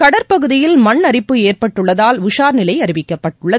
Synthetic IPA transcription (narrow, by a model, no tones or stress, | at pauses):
kɐɽɐɾpɐɣɯðɪjɪlmɐɳːɐɾɪpːɯeːrpɐʈːɯɭːɐðaːlʋʊʂaːɾnɪlɐɪɐɾɪʋɪkːɐpːɐʈːɯɭːɐ